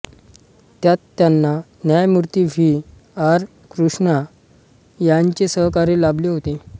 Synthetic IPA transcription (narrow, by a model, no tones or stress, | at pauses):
t̪jat̪ːjanːa | njajmuɾt̪iʋi | aɾ | kɾuʂɳa | jaɲt͡ɕesəɦkaɾelableɦot̪e